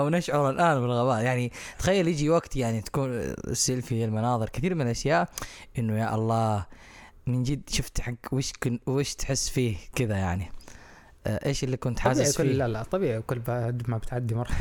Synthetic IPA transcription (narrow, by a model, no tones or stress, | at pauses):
awnaʃʕʊɾˤalʔaːnbɪlɣabaːʔjaʕnit̪ḁxajːaljɪd͡ʒiwaɡt̪jaʕnit̪ḁkuːn̰sːɪlfilmanɑːðˤɨɾkɪθiːɾmɪnalʔaʃjaːʔʔɪnːujaʔɑlˤːɑː | mɪnd͡ʒiːd̪ʃʊft̪ħaɡweːʃkweːʃt̪ħɪsːfiːhkɪðajaʕni | ʔeːʃɪlːikʊnt̪ħasɪzfkʊlalaʔt̪ˤːɑbiːʕikʊlːbad̪mabɪt̪ʕad̪ːimɑɾˤħa